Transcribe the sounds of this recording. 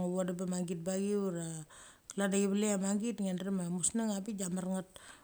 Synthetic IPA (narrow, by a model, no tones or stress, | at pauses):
ŋaβadabamaŋɡit̚baɡiuɾa | ladaɡiβaleamaŋɡitŋenrimamusnaŋapid͡ʒamarŋat̚